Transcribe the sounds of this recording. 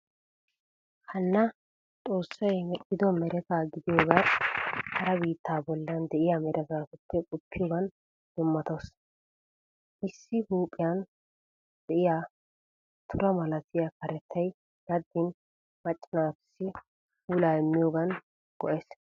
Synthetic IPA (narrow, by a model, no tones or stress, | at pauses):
hɐnːɐ | t̪ʼo̞ːsːɐjmɛʔːɪd̪ɔmɛɾɛt̪aːɡɪd̪ɪjoːɡa | hɐɾɐbiːt̪ːaːbɔlːɐnd̪ɛʔɪjamɛɾʔɛt̪aːt̪ʊpːɛkʼʊpʰːɪjoːɡɐn | d̪̥ʊmːɐt̪os | ʔɪsːɪhuːpʼːɪjan | d̪̥ɛʔɪjaː | t̪ʰʊɾɐmɐlɐt̪ɪjakɐɾɛt̪ʰːɐj | ɡɐd̪ːɪn | mɐt͡ʃʼːɪnaːt̪ʊ̥sːɪ | fuːlaːɛmːɪjoːɡɐn | ɡ̥ɔʔɛs